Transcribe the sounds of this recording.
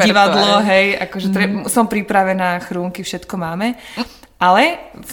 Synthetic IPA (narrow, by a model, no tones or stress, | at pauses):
iʋad̪lɔɦɛjʔakɔʒɛt̪ɾɛsɔmpɾipɾaʋɛnaːxɾuːŋkifʃɛt̪kɔmaːmɛ | ʔalɛ